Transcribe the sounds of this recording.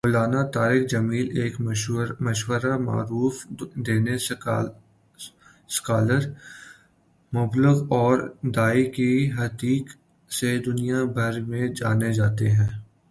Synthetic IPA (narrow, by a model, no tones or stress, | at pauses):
moːlaːnat̪aːɾɪkd͡ʒɐmiːleːkmɐʃwəɾama̰ːɾuːfd̪eːne | skaːləɾ | mʊbləɣɔːɾd̪aːikiɦɐt̪iːk | sed̪ʊnijabʱɐɾmẽd͡ʒaːned͡ʒaːt̪eɦɛ̃ː